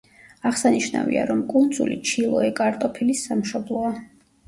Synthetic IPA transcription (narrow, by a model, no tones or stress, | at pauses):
aʁsaniʃna̰vḭa̰ɾɔmkʼund̪zṵlit͡ʃʰilˠɔɛkʼaɾt̪ʼɔpʰilisːamʃɔblˠɔa